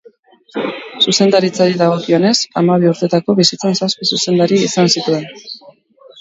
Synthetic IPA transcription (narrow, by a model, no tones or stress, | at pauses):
suse̞nd̪aɾit͡saɾiðaɣ̞o̞kio̞ne̞samaβiuɾt̪e̞t̪ako̞βisit͡sansaspisuse̞nd̪aɾiːsansit̪ue̞n